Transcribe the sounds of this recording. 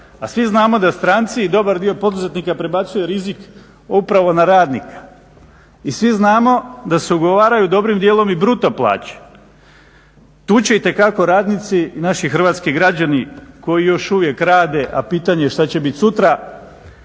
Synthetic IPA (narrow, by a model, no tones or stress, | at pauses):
asʋiznaːmo̞d̪ast̪ɾaːnt̪siːd̪o̞baɾd̪io̞po̞d̪uze̞t̪nikapɾebat̪sujeɾizik | upɾaʋo̞naɾaːd̪nikḁ | isʋiznaːmo̞d̪aseuɡo̞ʋaːɾajud̪o̞bɾimd̪jeːlo̞mibɾut̪aplˠa̰ːt͡ɕe̥ | t̪uːt͡ɕe̞it̪e̞kako̞ɾaːd̪nit̪sinaʃixrʋaːt̪skiɡɾad͡ʑaniko̞jijo̞ʃuʋje̞kɾaːd̪e̞ʔa̰piːt̪aɲe̞ʃt̪at͡ɕe̞bit̪sut̪ɾa